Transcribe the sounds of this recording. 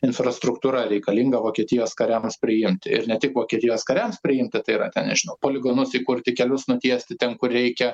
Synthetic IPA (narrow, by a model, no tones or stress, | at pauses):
ɪnfrɐst̪ɾʊkt̪uːɾɐɾʲɛɪkɐlʲiŋɡɐʋoːkʲiɛt̪ʲɪjoːskɐɾʲɛmspʲɾʲɪjɪmʲt̪ʲɪɪ̰rnʲɛt̪ʲɪkʋoːkʲiɛt̪ʲɪjoːskɐɾʲɛmspʲɾʲɪjɪmʲt̪ʲɪt̪ɐɪiɾɐt̪ʲɛnnʲɛʒʲɪnɐʊpoːlʲɪɡoːnʊsiːkʊɾʲt̪ʲɪkʲɛlʲʊsnʊt̪ʲiɛsʲt̪ʲɪt̪ʲɛnkʊrrʲɛɪkʲɛ